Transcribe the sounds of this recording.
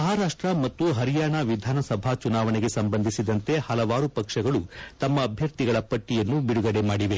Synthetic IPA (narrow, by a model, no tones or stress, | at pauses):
mɐɦaːɾaːʂʈɾɐmɐt̪ːuɦɐɾijaːɳaʋid̪ʱaːnɐsɐbʱat͡ʃunaːʋɐne̞ɡe̞sɐmbɐnd̪ʱisid̪ɐnt̪e̞hɐlɐʋaːɾupɐkʂɐɡɐɭut̪ɐmːɐːbʱjɐɾt̪iɡɐɭɐpɐʈːijɐnːubiɽuɡɐɽemaːɽiʋe